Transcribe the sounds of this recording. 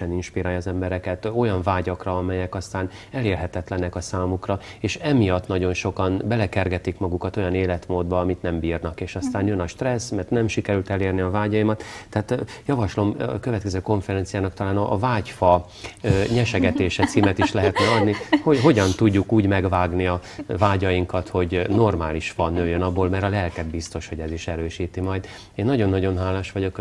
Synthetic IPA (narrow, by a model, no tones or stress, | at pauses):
ɛninʃpiɾaːjːzɛmbɛɾɛkɛt̪o̞jɒɱvaːɟɒkrɒɒmɛjɛkɒst̪aːn | ɛleːrɦɛt̪ɛt̪lɛnɛkɒsaːmukrɒeːʃɛmijɒt̪ːnɒɟo̞nʃo̞kɒnbɛlɛkɛrɡɛt̪ikmɒɡukɒt̪o̞jɒneːlɛt̪moːd̪bɒɒmit̪nɛmbiːrnɒkeːʃɒst̪aːnjønɒʃt̪rɛsmɛrt̪nɛmʃikɛɾylt̪ɛleːrniɒvaːɟɒjimɒt̪ːɛaːt̪jɒvɒʃlo̞mkøvɛt̪kɛzøːko̞ɱfɛɾɛnt̪sijaːnɒk̚t̪ɒlaːnɒʔːvaːcfɒ | ɲɛʃɛɡɛt̪eːʃɛt̪siːmɛt̪iʃlɛɦɛt̪nɛɒd̪nihoɦo̞ɟɒnt̪uɟːukuːɟmɛɡvaːɡniɒvaːɟɒjiŋkɒt̪ho̞ɟno̞rmaːliʃfɒnːøːjønɒbːoːlmɛɾɒlɛlkɛd̪̚bist̪o̞ʃho̞ɟɛziʃɛɾøːʃiːt̪imɒjd̪ | eːnːɒɟo̞nːɒɟo̞nɦaːlaːʃʋɒɟo̞k